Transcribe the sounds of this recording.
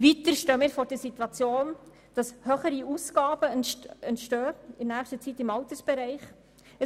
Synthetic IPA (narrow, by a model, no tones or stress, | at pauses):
vit̪əɾʃtøːmɪːɾfɔɾd̥əɾsit̪wɑt͡sjoːn | d̥ɑshøχəɾiusɡ̥ɑːb̥əɛntʃtøːɪnæːχʃtət͡sit̪ɪmɑwt̪əsb̥ɛɾɛɪχ | ə